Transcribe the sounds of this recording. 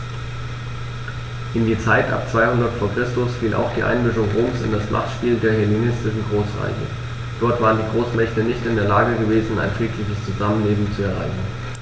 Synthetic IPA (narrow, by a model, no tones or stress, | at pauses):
ʔɪndiːt͡saɪtʔa̰p̚t͡sv̥aɪhʊndɐtfoːɐkʁ̥ɪstʊsfiːlʔa̰ʊxd̥iːʔa̰ɪnmʏʃ̬ʊŋʁoːmsɪ̰ndasb̥lʔa̰t͡sʃpiːldeːɐhɛlinɪstɪʃ̬n̩ɡʁoːsʁa̰ɪçə̰ | d̥ɔɐtv̥aːʁəndiːɡʁoːsmɛçtənɪçtɪndeːɐlaːɡəɡəveːzn̩a̰ɪnfʁ̥iːkʰlɪçəst͡suzamənleːbm̩t͡suɛɐʁ̞a̰ɪçn̩